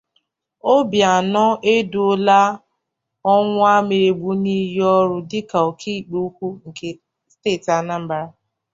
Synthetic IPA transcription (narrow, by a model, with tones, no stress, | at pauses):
o˦bja˨nɔ˦ʔe˦du˨o˦la˦ | ɔ˦ŋʷʊ˦a˦me˨ɾe˨ɡ͡bu˦ni˦jɔ˦ɾʊ˦dɪ˦ka˨o˨kʰi˦˨k͡pu˦kʷu˦ŋ̩˨ke˨ | steː˦˨ta˦na˦m̩˨˦ba˦ɾa˦